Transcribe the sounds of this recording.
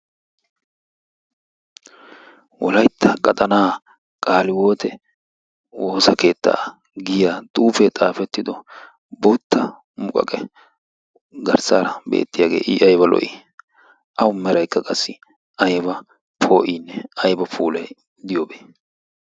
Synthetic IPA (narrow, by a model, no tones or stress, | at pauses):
wɔlɐjt̪ʰːɐkʼɐt̪ʼɐnaː | kʼaːlɪwo̞ːt̪ɛ | woːsɐke̞ːt̪ːa̰ː | ɡɪjaːt̪ʼuːfɛt̪ʼaːfɛt̪ːɪd̪ɔ | bɔt̪ʰːɐ | mʊkʼɐ̰kʼɛ | ɡɐɾsaːɾɐbḛːt̪ːɪjaːɡe̞̰ːʔiʔɐjbɐlɔ̰ʔɪ̰ | ʔɐwʊmɛɾɐjkːɐkʼɐsːɪ | ʔɐjbɐ | pʰoːʔiːnːɛɐjbɐpʰuːlɛj | d̪ɪjobeː